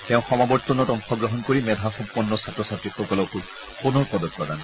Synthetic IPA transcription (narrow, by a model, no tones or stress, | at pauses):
tɛ̃ʊ̃xɔmabɔɹt̪ːɔnɔtɔŋxɔɡɹɔɦɔnkoɹimɛdʱaxumpːɔnːɔsatɹɔsatɹixɔkɔlɔkul | xonɔɹpɔdɔt̚padan